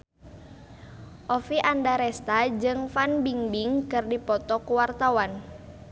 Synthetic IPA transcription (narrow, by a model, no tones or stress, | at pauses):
ʔɔfiʔandaɾɛst̪ad͡ʒɨŋfanbiŋbiŋkɨrdipɔt̪ɔkuwart̪awan